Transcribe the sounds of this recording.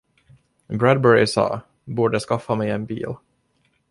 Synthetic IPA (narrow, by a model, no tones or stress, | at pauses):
bɾæd̪̚bɛɹɪsɑ̰ː | buːɖəskafːamɛjɛnbḭːl